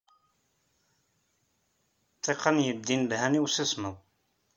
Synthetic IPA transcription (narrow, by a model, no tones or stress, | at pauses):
t̪ˤːeqənjəd̪ːinbhæniwsəsməw